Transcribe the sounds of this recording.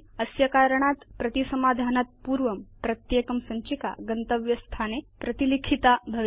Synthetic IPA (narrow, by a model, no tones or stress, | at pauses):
əsjɐkaɾəɳ̃at̪pɾɐt̪isəmad̪ʱanat̪̚puːɾʋəmpɾət̪jekəmsə̃ɲt͡ɕika̰ɡənt̪əʋjɐst̪ʰanepɾət̪ilikʰit̪abʱəʋ